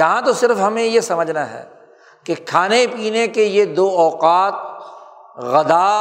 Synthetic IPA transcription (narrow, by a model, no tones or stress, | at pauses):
jɐɦãt̪osɪɾfɦɐmẽjesɐməd͡ʒʱnaɦɛ̰ː | kekʰaːnepiːnekejed̪oːɔːqaːt̪̚ | ɣɐd̪aː